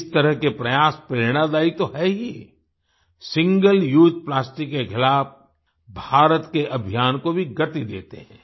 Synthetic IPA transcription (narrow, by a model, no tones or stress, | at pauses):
st̪ɐɾəɦkepɾɐjaːspɾeːɾɽ̃ad̪aːit̪oɦɛːɦi | sɪ̃ŋɡəljuːd͡ʒ̪̚plaːsʈɪkːexɪlaːf | bʱaːɾət̪keʔɐbʱijaːnkobʱiɡɐt̪id̪ḛːt̪ḛɦɛ̰̃ː